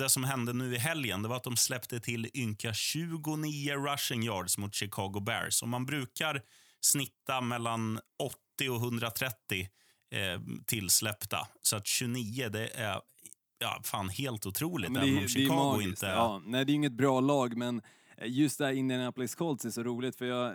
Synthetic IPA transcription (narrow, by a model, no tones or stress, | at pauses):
d̪ɛsɔmɦɛnd̪ənʉ̟ːɪɦɛljənd̪ɛvaɾat̪̚d̪ɔmslɛpt̪ət̪ʰɪlːʏŋkaɕʉ̟ːɡʊniːəɾaʂɪŋjɑːɖsmʊt̪ɕɪkʰɑːɡʊbæ̰ɾsɔ̰mːanbɾʉ̟ːkaɾ | snɪt̪ːamɛlːanɔt̪ːɪɔɦɵnd̪ɾat̪ʰɾɛt̪ːɪ | t̪ʰɪlːslɛpt̪a̰sɔat̪ɕɵniːəd̪ɛʔæ̰ɾ | jɑ̰ːfa̰ːnheːlt̪ʊt̪ʰɾuːlɪkt̪ːɔmʃɪkʰɑːɡʊɪntt̪əːnɛɪd̪ɛjʏŋːət̪̚bɾɑːlɑːɡmɛn | jɵst̪d̪ɛhæɾɪnd̪ənæplɪskʰɔlsɛsɔɾuːlɪt̪fœjɑː